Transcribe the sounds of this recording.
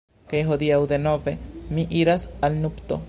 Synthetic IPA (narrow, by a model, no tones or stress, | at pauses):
kajɦo̞d̪iawd̪e̞no̞ve̞miʔiɾasalnupt̪o̰